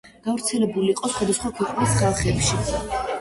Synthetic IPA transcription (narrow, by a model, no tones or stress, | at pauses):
ɡ̥avɾt̪sʰɛlɛbuliːqʼɔsχwad̪asχwakʰwɛqʼnisɡaχɛpʃi